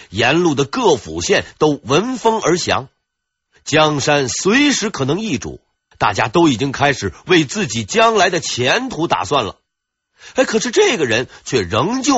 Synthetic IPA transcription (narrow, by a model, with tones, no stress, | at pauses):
jɛ˧˥nlu˥˩d̪ə˩kɤ˥˩fṵ˨˩ɕjɛ˥˩nt̪o˥ʊwə˧˥nfɤ˥ŋə˞˧˥ɕjɑ̰˧˥ŋ | t͡ɕjɑ˥ŋʂa˥nswe˧˥ɪʂɻ̩˧˥kʰɤ˨˩nɤ˧˥ŋi˥˩ʈ͡ʂṵ˨˩˦ | t̪a̰˥˩t͡ɕja˥t̪o˥ʊi˨˩t͡ɕi˥ŋkʰa˥ɪʂɻ̩˨˩we˥˧ɪt͡sɹ̩˥˩t͡ɕi˨˩t͡ɕjɑ˥ŋla˧˥ɪd̪ə˨t͡ɕʰjɛ˧˥nt̪ʰu˧˥t̪a̰˨˩swa˥˩nlə̰˩ | e˧˥ɪkʰɤ˨˩ʂɻ̩˥˧ʈ͡ʂɤ˥˩ɡə˩ɻə˧˥nt͡ɕʰɥɛ˥˩ɻɤ˧˥ŋt͡ɕjo˥˩